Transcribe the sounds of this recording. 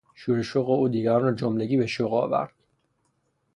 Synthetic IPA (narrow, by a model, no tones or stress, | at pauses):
ʃuɾeʃoɣeuːd̪iːɡæɾnɾɔːd͡ʒomleɡiːbeʃoɣɒ̰ːvæ̰ɾd̪̥